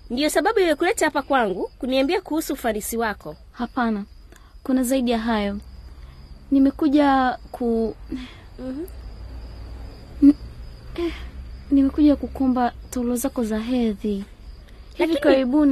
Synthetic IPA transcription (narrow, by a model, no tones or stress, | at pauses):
ndijɔsaɓaɓuiwakulɛtahapakwaŋɡukuniambiakuhusuːfanisiwakɔ | hapana | kunazaiɗijaɦajɔ | nimɛkuʄakʰu | nimɛkuʄakukɔmbataulɔzakɔzaɦɛði | hivikaɾiɓuni